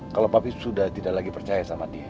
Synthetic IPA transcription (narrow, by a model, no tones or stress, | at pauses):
kalopapisudaht̪idaʔlaɡipərt͡ʃajasamadia